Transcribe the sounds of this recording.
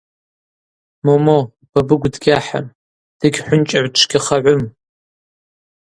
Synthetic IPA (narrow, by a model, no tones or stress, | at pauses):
momo | b̥ɐbɨɡʷdɡʲaħa̰m | d̥ɨɡʲħʷʊnt͡ʃʼɐʕʷʈ͡ʂʷʰɡʲɪχɐʕʷʊm